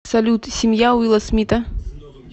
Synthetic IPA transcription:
sɐlʲut̪sʲɪmʲjawilˠɐsmʲit̪ɐ

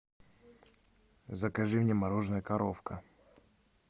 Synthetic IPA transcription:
zɐkaʐɨmnʲɪmɐɾoʐnəjəkɐɾofkə

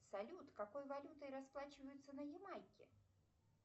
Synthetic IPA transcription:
salʲut̪kakɔjvalʲut̪ɐjɾasplˠat͡ɕɪvɐjʊt̪sːɐnɐjɛmajkʲɛ̰

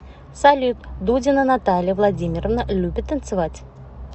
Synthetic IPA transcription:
salʲut̪d̪udʲɪnənat̪alʲɪjəvlˠadʲimʲɪrəvnəlʲubʲɪt̪ːənt̪sɨvatʲ

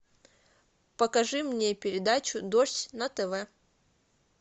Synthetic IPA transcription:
pəkɐʐɨmnʲepʲɪɾʲɪd̪at͡ɕʊd̪oʂtʲnɐt̪ɛvɛ

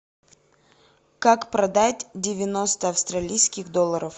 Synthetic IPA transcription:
kakpɾɐd̪atʲdʲɪvʲɪno̞st̪əɐfst̪ɾɐlʲijskʲɪɣd̪olˠːəɾəf

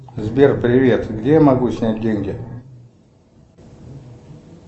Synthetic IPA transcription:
zbʲerpɾʲɪvʲe̞t̪ɡdʲejamɐɡusʲnʲæt̚ʲdʲenʲɡʲɪ

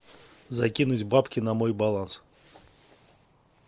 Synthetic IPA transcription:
zɐkʲinut͡sʲbapkʲɪnɐmɔjbalˠans

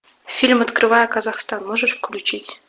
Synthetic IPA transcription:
fʲilʲmɐt̪kɾɨvajəkɐzaxst̪anmoʐɨʂfklʲʉt͡ɕitʲ

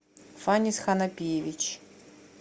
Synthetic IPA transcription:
fanʲisxanɐpʲijevʲit͡ʃ

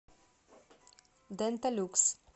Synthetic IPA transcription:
d̪ɛnt̪aluks

